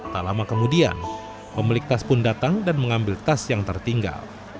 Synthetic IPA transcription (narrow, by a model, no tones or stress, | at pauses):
t̪alamakəmudia̰n | pəmilɪk̚t̪aspʊndat̪aŋdanməŋambɪlt̪asjaŋt̪ərt̪iŋɡa̰l